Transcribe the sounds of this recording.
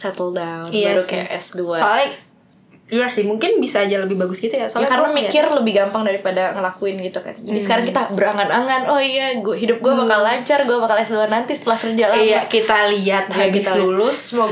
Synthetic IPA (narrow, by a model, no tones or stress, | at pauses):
sɛt̪əldaunɾukɛ̰ʔɛ̰sduasoalɛ | ijasɪhmuŋkɪnbisaːd͡ʒaləbɪhbaɡʊsɡit̪ujasoalkaɾənamikɪrləbɪhɡampaŋdaɾipadaŋəlakuɪnɡit̪uka̰nd͡ʒadisəkaɾaŋkit̪abəɾaŋanaŋanɔhjaɦidʊp̚ɡuabakalːaɲt͡ʃarɡuabakalɛsduanant̪isə̥t̪əlahkərd͡ʒalajakit̪aliat̪̚habisallulʊsmo